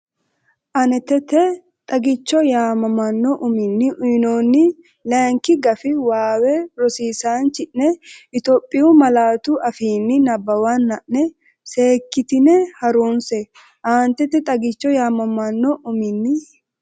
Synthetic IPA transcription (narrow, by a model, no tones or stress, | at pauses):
ʔɐnɛt̪ːɛt̪ːɛ | t̪ʼɐɡɪt͡ʃːɔjaːmɐmɐnːɔʔʊmɪnːɪʔʊɪnoːnːɪ | lɛŋkːɪɡɐfɪwaːwɛɾɔsiːsaːnt͡ʃːɪʔnɛɪt̪oːpʼːɪjʊmɐlaːt̪ʊʔɐfiːnːɪnɐbːɐwanːɐʔnɛ | seːkːɪt̪ɪnɛhɐɾunsɛ | ʔaːnt̪ɛt̪ːɛt̪ʼɐɡɪt͡ʃːɔjaːmɐmɐnːɔʔʊmɪnːɪ